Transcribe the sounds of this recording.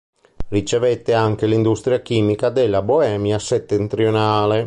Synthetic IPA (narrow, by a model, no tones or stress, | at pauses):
rit͡ʃevet̪ːeaŋk̟elind̪ust̪ɾjak̟iːmikad̪elːaboɛːmjaset̪ːent̪ɾionaːle